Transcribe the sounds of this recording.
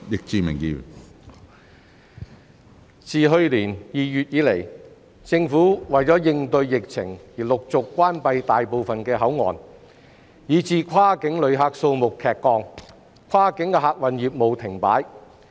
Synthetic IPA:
jɪ˨k̚t͡siː˨˩mɪ̰˨˩ŋjḭ˧ | t͡sʰiː˨ɦɵ˧ɥliː˨˩njiː˨˩jyː˨t̚jiː˨˥le˨˩j | t͡sɪ˧ŋfuː˨˥wɐ˨jt͡sɔː˨˥jɪ˧ŋt̪ɵ˧ɥjɪ˨k̚t͡sʰɪ̰˨˩ŋjiː˨˩lʊ˨k̚t͡sʊ˨kːʷaː˥npɐ˧jt̪aː˨jpo˨wfɐ˨nkɛː˧ɦɐ˨˥wŋɔ̰ː˨n | jiː˨˧t͡siː˨kʰaː˥kɪ˨˥ŋlɵ˨˧ɥɦaː˧k̚so˧wmʊ˨kʰːɛː˨kːɔː˧ŋ | kʷʰwaː˥kɪ˨˥ŋkɛ˧ɦaː˧k̚wɐ˨njiː˨p̚mo˨wt̪ʰɪ˨˩ŋpa̰ː˨˥j

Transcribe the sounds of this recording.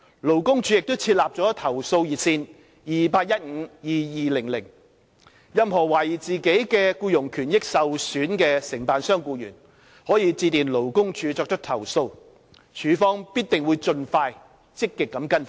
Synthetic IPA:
lo˨˩wkʊ˥ŋt͡ʃʰyː˨˧˥jɪ˨k̚t̪o˥wt͡sʰiː˧t̚laː˨p̚t͡sɔː˨˥t̪ʰɐ˨˩wso˧wjiː˨˩t̚sʰiː˧n | jiː˨paː˧t̚jɐ˥t̚ŋ̩ː˨˧˥jiː˨˧jiː˨lɪ˨˩ŋlɪ˨˩ŋ | jɐ˨˧mɦɔː˨˩wɐ˨˩ji˨˩t͡siː˨ke˨˥jkɛː˧kuː˧jʊ˨˩ŋkʰyː˨˩njɪ˥k̚sɐ˨wsyː˨˥nkɛː˧sɪ˨˩ŋpaː˨˧nsœː˥ŋkuː˧jy̰ː˨˩n | hɔː˨˥jiː˨˧t͡siː˧t̪iː˨nlo˨˩wkʊ˥ŋt͡ʃʰy˨˥t͡sɔː˧k̚t̪ɐ˥k̚t̪ʰɐ˨˩wso˧w | t͡ʃʰyː˨˥fɔː˥ŋpiː˥t̚t̪ɪ˨ŋwuː˨˧jt͡ʃɵ˧nfaː˧j | t͡sɪ˥kːɪ˨kːɐ˨˥mkɐ˥n˨

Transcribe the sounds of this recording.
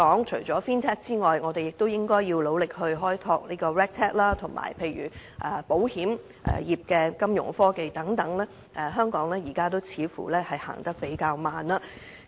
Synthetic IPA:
ɔː˨˥ŋt͡ʃʰɵ˨˩ɥt͡sɔː˨˥fiː˥nt̪ʰɛː˥k̚t͡siː˥ŋɔː˨jŋɔː˨˧t̪e˨jɪ˨k̚t̪o˥wjɪ˥ŋkɔː˥jjiː˧wlo˨˧wlɪ˨k̚hɵ˧ɥɦɔː˥jt̪ʰɔː˧k̚niː˥kɔː˧ɹɛː˥k̚t̪ʰɛː˥k̚laː˥t̪ʰʊ˨˩ŋmʔa̰ː˨˩jpʰe˧jɥy̰ː˨˩ʔɛ˨˧po˨˥whiː˨˥m | ʔɛ̰ː˨jiː˨p̚kɛː˧kɐ˥mjʊ̰˨˩ŋfɔː˥ke˧jt̪ɐ˨˥ŋt̪ɐ˨˥ŋlɛː˥ | ʔɛ˨ɦœː˥ŋkɔː˨˥ŋlɛː˥jiː˨˩kaː˥t̪̬o˥wt͡sʰiː˨˧fṵː˨˩lɛː˥hɐ˨jha̰ː˨˩ŋt̪ɐ˥k̚pe˨˥jkaː˧wmaː˨nlaː˧

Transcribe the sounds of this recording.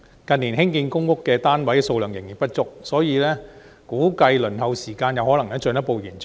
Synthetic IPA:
kɐ˨niː˨˩nɦɪ˥ŋkiː˧nkʊ˥ŋkʊ˥kːɛː˧t̪aː˥nwɐ˨˥jɛ˨so˧wlœː˨˩ŋjɪ˨˩ŋjiː˨˩npɐ˥t̚t͡ʃʊ˥k̚sɔː˨˥jiː˨˧lɛː˥ | kuː˨˥kɐ˧jlɵ˨˩nhɐ˨˧wsiː˨˩kaː˧njɐ˨˧whɔː˨˥lɐ˨˩ŋnɛː˥t͡ʃɵ˨˧njɐ˥t̚po˨˧wjiː˨˩nt͡s

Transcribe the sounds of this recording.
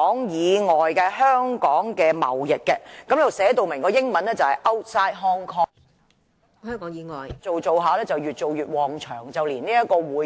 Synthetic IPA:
ŋjiː˨˧ŋɔː˨jkɛː˧hœː˥ŋkɔː˨˥ŋkɛː˧mɐ̰˨˩wjɪ˨k̚kɛ˧kɐ˨mle˥o˨wsɛː˨˥t̪o˨wmɪ˨˩ŋkɔː˧jɪ˥ŋmɐ˨˦nɛː˥t͡sɐ˨whɐ˨˩jʔɐ˥wsaː˥jɦɔː˥ŋkʰɔː˥ | hœː˥ŋkɔː˨˥ŋjiː˨˧ŋɔː˨jt͡so˨wt͡so˨wɦaː˨lɛː˥t͡sɐ˨wjyː˨t̚t͡so˨wjyː˨t̚wɔː˨ŋt͡ʃʰœː˨˩ŋt͡sɐ˨wliː˨˩nniː˥jɐ˥t̚kɔː˧wuː˨˧

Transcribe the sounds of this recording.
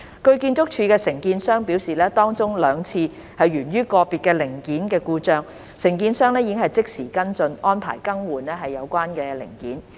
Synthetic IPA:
kɵ˧ɥkiː˧nt͡sʊ˥k̚t͡ʃʰyː˧kɛː˧sɪ˨˩ŋkiː˧nsœː˥ŋpi˨˥wsiː˨lɛː˥t̪ɔː˥ŋt͡sʊ˥ŋlœː˨˧ŋt͡sʰiː˧ | hɐ˨jɥyː˨˩nɥyː˥kɔː˧piː˨t̚kɛː˧lɪ˨˩ŋkiː˨˥nkɛː˧kuː˧t͡ʃœː˨˧ŋ | sɪ˨˩ŋkiː˧nsœː˥ŋlɛː˥ji˧˥ɪ˥ŋhɦɐ˨˩jt͡sɪ˥k̚siː˨˩kɐ˥nt͡sɵ˧nɔː˥npʰa̰ː˨˩jkɐ˥ŋwuː˨nːɛː˥ɦɐ˨jːɐ˨˧wkʷaː˥nkɛː˧lɪ̰˨˩ŋkiː˨˥n

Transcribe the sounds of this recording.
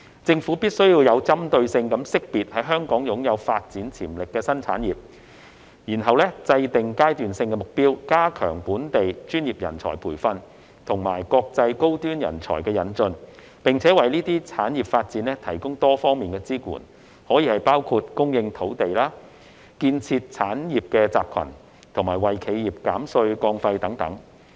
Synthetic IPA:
t͡sɪ˧ŋfuː˨˥piː˥t̚sɵ˥ɥjiː˧wjɐ˨˧wt͡sɐ˥mt̪ɵ˧ɥsɪ˧ŋkɐ˨˥msɪ˥k̚piː˨t̚hɐ˨˥jɦœː˥ŋkɔː˨˥ŋjʊ˨˥ŋjɐ˨˧wfaː˧t̚t͡siː˨˥nt͡sʰḭː˨˩mlɪ˨kːɛː˧sɐ˥nt͡sʰa̰ː˨˥njiː˨˩p̚ | jiː˨˩nɦɐ˨wlɛ˥t͡sɐ˧jt̪ɪ˨ŋkaː˥jt̪yː˨nsɪ˧ŋkɛ˧mʊ˨k̚piː˥wkaː˥kʰœː˨˩ŋpuː˨˥nt̪e˨jt͡ʃyː˥njiː˨p̚jɐ˨˩nt͡sʰɔ̰˨˩jpʰuː˨˩jfɐ˧n | t̪ʰʊ˨˩ŋma̰ː˨˩jkɔː˧k̚t͡sɐ˧jko˥wt̪yː˥njɐ̰˨˩nt͡sʰɔ̰ː˨˩jkɛː˧jɐ˨˥nt͡sɵ˧n | pɪ˨ŋt͡sʰɛː˨˥wɐ˨jniː˥t̪iː˥t͡sʰaː˨˥njiː˨˩p̚faː˧t̚t͡siː˨˧nlɛː˥t̪ʰɐ˨˩jkʊ˥ŋt̪ɔː˥fɔː˥ŋmiː˨˩nkɛː˧t͡siː˥kṵː˨˩n | hɔː˨˥jiː˨˧hɐ˨˩jpaː˥wkʰuː˧t̚kʊ˥ŋjɪ˧ŋt̪ʰo˨˥wt̪e˨jlaː˥ | kiː˧nt͡sʰiː˧t̚t͡sʰaː˨˥njiː˨p̚kɛː˧t͡saː˨p̚kʰɐ̰˨˩n | t̪ʰʊ˨˩ŋmaː˨˩jwɐ˨jkʰe˨˧jiː˨˩p̚kaː˨˥msɵ˧ɥkɔː˧ŋfɐ˧jt̪ɐ˨˥ŋt̪ɐ̰˨˥ŋ

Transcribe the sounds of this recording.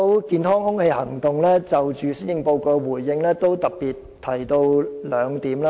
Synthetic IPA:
wkiː˨˧nɦɔː˥ŋhʊ˥ŋhe˧jhɐ˨˩ŋt̪ʊ˨˩ŋlɛː˥t͡sɐ˨wt͡ʃyː˨sɪ˥njɪ˧ŋpo˧wkɔː˧wuː˨˩jːɪ˧ŋlɛː˥t̪o˥wt̪ɐ˨k̚piː˨t̪ʰːɐ˨˩jt̪o˧wlœː˨˧ŋt̪iː˨˥mlaː˦˥

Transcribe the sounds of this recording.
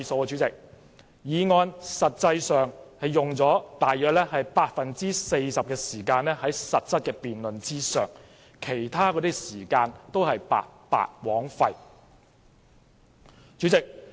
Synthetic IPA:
sɐ˨˧wkɛ˧t͡ʃy˨˥t͡sɪ˨k̚ | jiː˨˧ŋɔː˧nsɐ˨t̚t͡sɐ˧jsœː˨ŋhɐ˨jjʊ˨˩ŋt͡sɔː˨˥t̪aː˨jœː˧k̚lɛː˥hɐ˨jpaː˧t̚fɐ˨nt͡siː˥se˧jsɐ˨p̚kɛː˧siː˨˩kaː˧nlɛː˥ɦɐ˨˥jsɐ˨t̚t͡sʰɐ˥t̚kɛː˧piː˨nlɵ˨nt͡siː˥sœː˨˩ŋ | kʰe˨˩jt̪ʰaː˥kɔː˨˧t̪i˥ksiː˨˩kaː˧nt̪o˥whɐ˨jpa̰ː˧tpa̰ː˧t̚wɔː˨˥ŋfɐ˧j | t͡ʃy˨˥t͡sɪ˨k̚

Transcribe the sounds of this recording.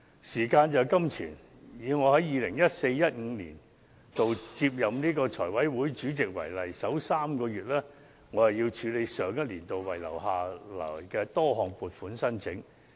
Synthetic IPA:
siː˨˩kaː˧nt͡sɐ˨wkɐ˥mt͡sʰiː˨˩n | jiː˨˧wŋɔː˨˧hɐ˨˥jiː˨˧lɪ˨˩ŋjɐ˥t̚se˧jːɐ˥t̚ŋ̩ː˨˧lḭː˨˩n | t̪o˨wt͡si˧p̚jɐ˨mniː˥kɔː˧t͡sʰɔː˨˩jwɐ˨˥jwuː˨˥jt͡ʃyː˨˥t͡sɪ˨k̚wɐ̰˨˩jlɐ˨˩jsɐ˨˥wsaː˥mkɔː˧ɥyː˨t̚lɛː˥ | ŋɔː˨˧hɐ˨˩wjiː˧wt͡ʃʰyː˨˧le˨˧jsœː˨˧ŋjɐ˥t̚liː˨˩nt̪o˨wwɐ˨˩jlɐ̰˨˩wɦaː˨lɐ̰˨˩jkɛː˧t̪ɔː˥hɔː˨ŋpuː˨t̚fuː˨˥nsɐ˥nt͡sʰɪ˨˥ŋ

